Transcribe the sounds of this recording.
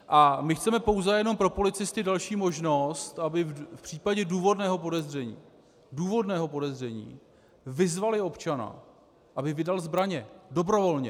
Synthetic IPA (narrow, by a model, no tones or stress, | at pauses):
ʔamɪxt͡sɛmɛpo̞wzɛjɛno̞mpɾo̞po̞lɪt͡sɪst̪ɪdalʃiːmo̞ʒno̞st̪ʔabɪfpr̥iːpaɟɛduːvo̞dnɛːɦo̞po̞dɛzr̝ɛɲḭː | duːvo̞dnɛːɦo̞po̞dɛzr̝ɛɲḭː | vɪzvalɪo̞pt͡ʃana̰ | ʔabɪvɪdalzbɾaɲɛdo̞bɾo̞vo̞lɲɛ